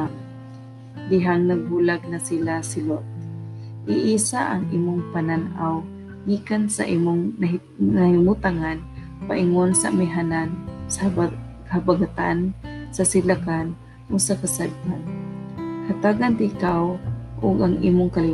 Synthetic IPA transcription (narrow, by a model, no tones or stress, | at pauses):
d̪ɪɦaŋnaɡ̚hulaɡ̚nasilasɪlot̪̚ | ʔɪʔisaʔaŋʔiːmʊŋpananʔaw | ɡikansa̰ʔimʊŋna | nahimut̪aŋan | paʔɪŋonsaamɪɦanansakahabaɡat̪a̰nsasɪlakan | ʔʊɡsakasad̪̚han | hat̪aɡant̪ɪkawʔʊɡaŋʔḭːmʊŋkali